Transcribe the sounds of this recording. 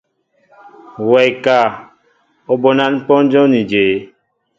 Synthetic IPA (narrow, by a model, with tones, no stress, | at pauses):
wɛ˨jka˨ | o˦bo˨nã˦n˦pɔ̃˦n˦d͡ʒɔ̃˦nĩ˨d͡ʒe˨˦